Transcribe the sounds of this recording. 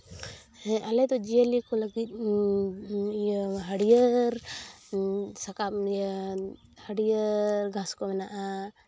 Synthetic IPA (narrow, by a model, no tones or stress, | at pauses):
ɛʔɐlet̪od͡ʒiəlikoləɡi | ɦəɽijəɾ | sɐka | həɽijəɾɡʱãskomɛnaʔa